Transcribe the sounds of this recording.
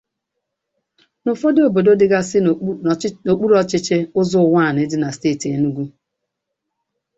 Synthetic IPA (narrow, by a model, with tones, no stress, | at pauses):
nʊ˨fo˦do˨bo˨do˦dɪ˦ɡa˦sɪ˦ | o˨k͡pu˦ɾɔ˦t͡ʃɪ˦t͡ʃe˦ʊ˦zʊ˦˨wa˦˨n˨ɪ˦dɪ˦na˨steː˦˨ti˨e˨nu˦ɡʷu˦